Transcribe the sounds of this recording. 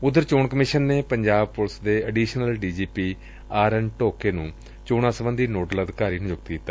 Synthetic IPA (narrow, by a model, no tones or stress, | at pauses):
ʊd̪ːəɾt͡ʃoːɳkəmɪʃənːeːpəɲd͡ʒaːb̚pʊlsd̪eːəɖiːʃnəlɖiːd͡ʒiːpiː | aːɾənʈoːkeːnũː | t͡ʃoːɽãːsəbə̃nd̪iːnoːɖələd̪kaːɾiːnʊd͡ʒʊɡ̚t̪kiːt̪ːa